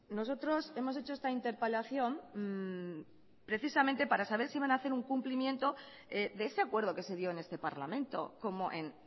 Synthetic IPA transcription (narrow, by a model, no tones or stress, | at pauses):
no̞so̞t̪ɾo̞se̞mo̞se̞t͡ʃoe̞st̪aint̪e̞ɾpelaθjo̞m | pɾe̞θisamẽnt̪e̞paɾasaβeɾsiβanaθe̞ɾuŋkumplimjẽ̞nt̪o̞ | eðe̞ese̞akwe̞ɾð̞o̞ke̞se̞ð̞jo̞ene̞st̪e̞paɾla̰mẽ̞nt̪o̞̰ko̞mo̞ʔe̞n